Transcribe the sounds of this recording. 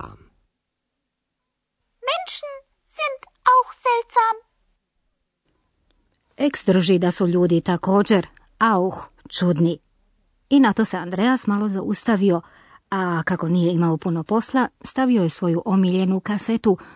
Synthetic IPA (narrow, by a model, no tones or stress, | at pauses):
mɛnʃn̩ | z̥ɪnt | ʔaʊxz̥ɛltz̥aːm | eksd̪r̩ʒid̪asuʎuːd̪it̪ako̞ːd͡ʑe̞ɾ | auxt͡ʃud̪ni | inat̪o̞se̞and̪ɾeasmalo̞zaust̪aʋio̞ | akako̞nije̞imaopuno̞po̞slˠast̪aʋioje̞sʋo̞juʔo̞miʎe̞nukaset̪u